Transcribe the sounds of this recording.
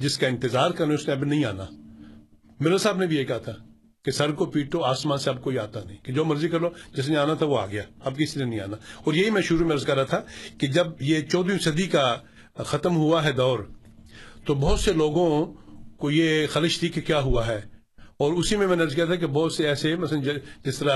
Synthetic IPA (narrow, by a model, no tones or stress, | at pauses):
d͡ʒɪskaɪ̃nt̪ɪzaːɾkɐɾneʊsneɐbinɐɦĩa̰ːna̰ | mɪɾəlsaːbnebʱijekɐɦat̪ʰa | kesɐɾkopiːʈoaːsmãːnseɐb̚koːia̰ːt̪anɐ̃ɦĩked͡ʒoːmɐɾzikɐɾlod͡ʒɪs̬nẽaːnat̪ʰaʋoa̰ːɡɐjaːɐb̚kɪsinenɐɦĩa̰ːnaɔːɾjɐɦimɛ̃ʃʊɾumẽɐɾzkɐɾːat̪ʰaked͡ʒɐbjet͡ʃɔːd̪ijũsɐd̪ika | xɐt̪əmɦuaɦɛd̪ɔːɾ | t̪obɔɦːt̪seloːɡõkojexɐlɪʃt̪iːkːekjaːɦuaɦɛː | ɔːɾʊsimẽmɛ̃ːneɐɾzk̬ijat̪ʰak̬ebɔːt̪seɛːsemɐt̪əd͡ʒɪst̪əɾa